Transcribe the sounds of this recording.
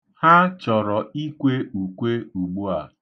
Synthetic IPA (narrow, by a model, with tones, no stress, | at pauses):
ha˦t͡ʃɔ˨ɾɔ˨i˦kʷe˦u˨kʷe˦u˨ɡ͡bu˦a˨